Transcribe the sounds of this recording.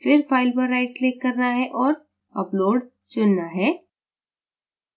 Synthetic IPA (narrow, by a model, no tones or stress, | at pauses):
fɪɾfʰaːɪlpɐɾːaɪʈ̚klɪkːɐɾnaɦɛʔɔːɾ | ɐploːɖ | t͡ʃʊnːaɦɛː